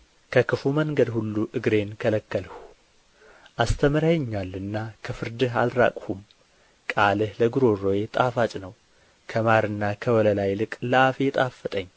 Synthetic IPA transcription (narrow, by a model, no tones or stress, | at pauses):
kʰəkɨfuməŋɡəd̪hulːuʔɨɡɾe̞nkʰələkːəlhu | ʔast̪ʰəmɾajɛɲːalːɨnːakʰəfɨɾd̪ɨɦa̰lɾa̰kʼhum | kʼalɨhləɡɨɾo̞ro̞je̞t̪ʼafat͡ʃʼnəw | kʰəmaɾɨnːakʰəwɔləlajlɨkʼləafet̪ʼafːət̪ʼəɲː